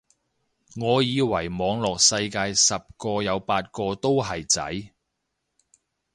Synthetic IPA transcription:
ŋɔː˨˧jiː˨˧wɐ˨˩jmɔː˨˧ŋlɔː˨k̚sɐ˧jkaː˧jsɐ˨p̚kɔː˧jɐ˨˧wpaː˧t̚kɔː˧t̪o˥wɦɐ˨jt͡sɐ̰˨˥j

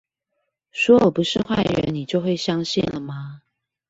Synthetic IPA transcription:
ʂwɔ˥ɔ˨˩pu˨˦ʂɻ̩˥˧xwa˥˩ɪɻə˧˥nni˨˩t͡ɕjo˥˧ʊxwe˥˩ɪɕjɑ˥ŋɕi˥˩nlə˨mɐ˩

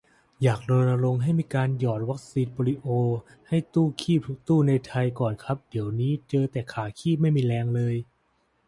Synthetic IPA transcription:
jaː˨˩k̚lo˧na˧lo˧ŋɦa˥˩jmiː˧kaː˧njɔː˨˩t̪̚wa˦˥k̚siː˧npɔː˧ɾi˦˥ʔoː˧ | ha˥˩jt̪uː˥˩kʰiː˥˩p̚tʰu˦˥k̚t̪uː˥˩na˧jt̪ʰa˧jkɔː˨˩nkʰa˦˥p̚di˩˦əwniː˦˥t͡ɕɤː˧t̪ɛː˨˩kʰaː˨˩˦kʰiː˥˩ma˥˩jmiː˧lɛː˧ŋlɤː˧j

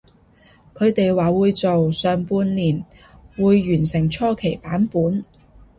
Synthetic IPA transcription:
kʰɵ˨˧ɥt̪e˨jwaː˨˩wuː˨˧jt͡so˨wsœː˨ŋpuː˧nliː˨˩n | wuː˨˧jːyː˨˩nsɪ˨˩ŋt͡sʰɔː˥kʰe˨˩jpaː˨˥npuː˨˥n

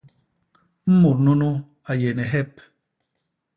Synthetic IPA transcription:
m̩˦mu˨ɾnu˦nu˦ | a˨je˨nɛ˨ɦɛ˦p̚

